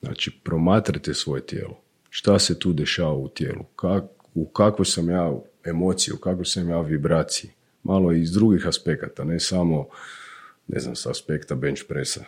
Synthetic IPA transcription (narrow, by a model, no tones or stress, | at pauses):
zna̰ːt͡ʃipɾo̞maːt̪ɾat̪esʋo̞je̞t̪jḛːlo̞ | ʃt̪ase̞t̪uːd̪e̞ʃaːʋaut̪jḛːlṵka | ukakʋojsamjaː | emo̞t̪sijḭukakʋojsamjaːʋibɾaːt̪sii | mʔalˠo̞izd̪ɾuɡixaspe̞kat̪ane̞samo̞ | nʔḛzna̰msaːspekt̪abent͡ʃpɾesa